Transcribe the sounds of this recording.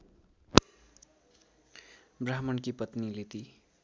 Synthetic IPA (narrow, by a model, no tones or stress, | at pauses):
braɦmʌnkipʌt̪nilet̪i